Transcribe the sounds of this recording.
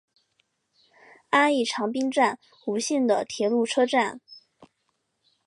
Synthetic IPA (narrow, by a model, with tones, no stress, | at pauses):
a˥ni˥˩ʈ͡ʂʰɑ˧˥ŋpi˥nŋʈ͡ʂa˥˩n | u˧˥ɕi˥˩nd̪ə˩t̪ʰjɛ˧˥lu˥˩ʈ͡ʂʰɤ˥ʈ͡ʂa˥˩n